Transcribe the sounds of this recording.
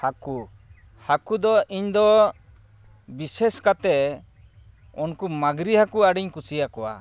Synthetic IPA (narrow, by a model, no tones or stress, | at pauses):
haku | hakud̪ɔiɲd̪ɔ | biseskat̪ɛ | ɔnkumaɡɾihakuaɽiɲkusijakɔwa̰